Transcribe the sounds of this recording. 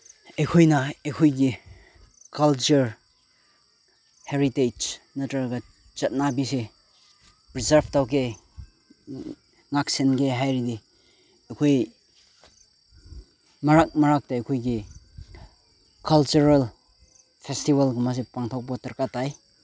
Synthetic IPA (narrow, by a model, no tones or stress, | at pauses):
ejkʰojnɐejkʰojɡi | kalt͡ʃuɾ | heɾited͡ʒ | nɐtaɾɡa | t͡ʃɐt̚nabise | pɾizaɾbʰtawke | ŋak̚senɡeɦajɾide | ekʰoj | maɾak̚mɐɾak̚taekʰojɡi | kalt͡ʃuɾal | pʰestibalɡumas̬epaŋtʰok̚patɐɾkatːaj